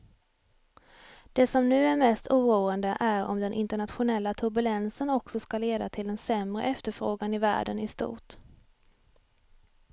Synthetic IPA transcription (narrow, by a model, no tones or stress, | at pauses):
d̪̥ɛsɔmnʉ̟ːæɾmɛst̪ʰuːɾuːənd̪əʔæɾɔ̰md̪ɛnʔɪnt̪əɳat̪ɧʊnɛlːat̪ʰɵɾbɵlɛnsənɔksɔskaleːd̪at̪ʰɪld̪ɛnsɛmɾə̰ʔɛft̪əɾfɾoːɡanɪvæ̰ːɖənɪst̪ṵːʈ